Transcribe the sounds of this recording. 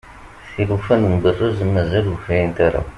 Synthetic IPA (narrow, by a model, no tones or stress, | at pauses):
θilufænənbərːəzmːæzæluçæjənt̪aɾa̰